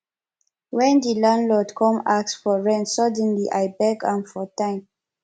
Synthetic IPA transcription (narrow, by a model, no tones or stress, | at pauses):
wɛ̃ndilãnlɔtkʰɔ̃maksfɔɹɛ̃ntsadɛ̃nliʔaɪbɛkãnfɔtãɪ̃m